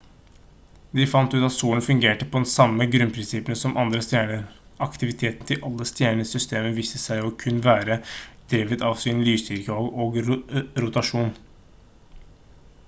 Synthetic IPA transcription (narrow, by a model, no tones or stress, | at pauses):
d̪ɪfɑnt̪ʉːt̪ɑt̪suːəɳfʉŋɡeːʈəpʰɔd̪ɛnsɑmːəɡɾʉnpʰɾɪnsɪpənəsɔmʔɑnd̪ɾəst̪jæːɳəɑkt̪ɪʋɪt̪ʰeːt̪nt̪ʰɪlʔɑlːəst̪jæːɳəsʏst̪ʰeːmənʋiːsəsæɪɔkʰʉnːʋæːɾəd̪̥ɾeːʋət̪ʰɑʋsɪnlyːst̪ʏɾkəoɡoːɡɾʊt̪ɑʂuːn